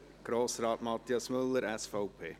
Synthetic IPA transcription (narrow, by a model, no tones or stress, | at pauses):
ɡ̥ɾoːsɾɑːtmɑt̪iɑsmɵlːəɾɛsfɔʊpʰeː